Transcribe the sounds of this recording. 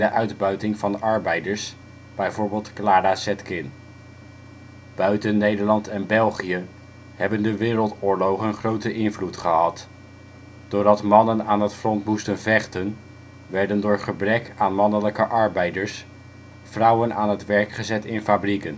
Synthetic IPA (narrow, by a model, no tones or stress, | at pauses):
dəʔœɥdbœɥtɪŋvɑndɑɹbɛjdəɹs | b̥ɛjvoːɹbɪːlˠtklaːɾasɛtkɪn | b̥œɥtənːejdəɹlɑntɛnbɛlˠχijə | hɛbəndəʋɪːɾəlˠtʊːɹlowχənχrowtəʔɪnvlutχəɦɑt | d̥ʊːɹdɑtmɑnənaːnɦətfrɔntmustənvɛχtən | ʋɛɹdəndʊːɹχəbrɛkaːnmɑnələkəʔɑɹbɛjdəɹs | frʌwənʔa̰ːnɦətʋɛɹkχəzɛtɪnfabrikən